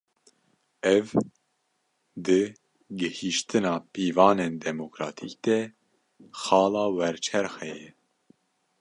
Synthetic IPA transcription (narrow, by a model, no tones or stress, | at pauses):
ɛv | d̪ɨ | ɡɨhiʃt̪ʰɨnɑːpiːvɑːnend̪ɛmokɾɑːt̪ʰik̚d̪ɛ | xɑːlɑːwɛɾt͡ʃʰɛɾxɛjɛ